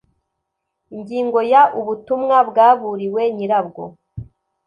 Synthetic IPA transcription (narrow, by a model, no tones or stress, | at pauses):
iɲɟiːŋɡo̞jaʔuβutumŋabɡaːβuɾiwe̞ɲiɾabɡo̰